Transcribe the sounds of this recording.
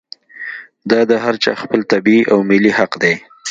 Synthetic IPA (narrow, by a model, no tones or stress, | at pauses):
d̪ɑd̪əɦaɾt͡ʃɑ̰xpəlt̪abiʔawmɪlihaqd̪e